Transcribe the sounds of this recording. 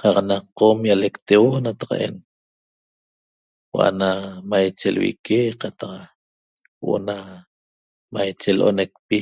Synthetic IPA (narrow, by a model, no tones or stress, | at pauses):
qɑqnaqːomjalekt̪ewonat̪ḁqɑ̰ʔe̞̰n | w̰ʔa̰namajt͡ʃelwḭkeqɑt̪ɑq | w̰ʔo̰na | majt͡ʃelʔo̰nek̚pi